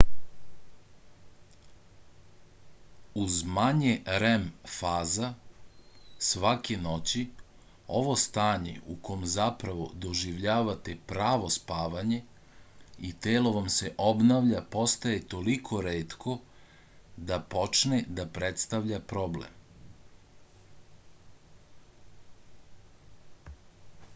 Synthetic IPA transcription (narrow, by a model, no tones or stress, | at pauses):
uzmaɲeɾemfaːza | sʋakeno̞t͡ɕi | o̞̰ʋo̞st̪aːɲḛukʰo̞mzapɾaʋo̞̰d̪o̞ʒiʋʎaːʋat̪epɾaːʋo̞spaːʋaɲe̞ | it̪eːlo̞ʋamse̞ʔobnaʋʎapo̞st̪ajet̪o̞likʰo̞ɾeːt̪kʰo̞ | d̪apo̞t͡ʃned̪apɾet̪st̪aʋʎapɾo̞blḛm